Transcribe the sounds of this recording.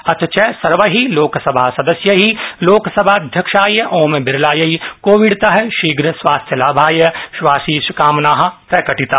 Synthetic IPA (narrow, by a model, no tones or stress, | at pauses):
ɐt̪t͡ʃɛsɐɾʋɐɦiloːksɐbʱaːsɐd̪ɐsjɐɦiloːksɐbʱaːɐd̪ʱjɐkʃaːjɐʔoːmbɪɾlaːjɐikoːʋiɽt̪aɦɛʃiːɡɾɐsʋaːst̪ʰjɐlaːbʱaːjɐʃʋaːsiːsukaːmnaːɦɐ̆pɾɐkɐʈit̪aː